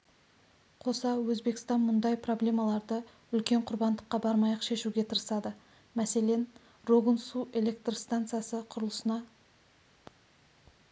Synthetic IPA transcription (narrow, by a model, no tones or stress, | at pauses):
qʰo̞sɑwɵzbe̞kɪ̥st̪ɑnmʊnd̪ɑjpro̞blʲe̞mɑlˠɑɾd̪ə | ʏlkʲe̞ɴqʰʊɾbɑnd̪əqːɑbɑɾmɑjɑqʃe̞ʃuɡʲe̞t̪ʰəɾəsɑd̪ə | mæse̞le̞n | ro̞ɡənsue̞lʲe̞kt̪rst̪ant̪sɨjasəqʰʊɾəlˠəsənɑ